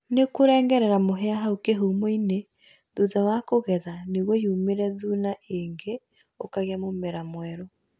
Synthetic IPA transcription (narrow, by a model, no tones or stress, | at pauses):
nekoɾɛːŋɡɛɾɛɾamoɦɛaɦaokeɦuːmoine | ðuðawakoɣɛðaneɣwɔjumeɾɛðuːnaʔeŋɡe | okaɣeamomɛɾamwɛɾo